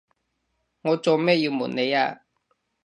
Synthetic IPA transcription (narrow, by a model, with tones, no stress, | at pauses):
ŋɔː˨˧t͡so˨wmɛː˥˨ji˧wmṵ˨˩ne˨˧jaː˧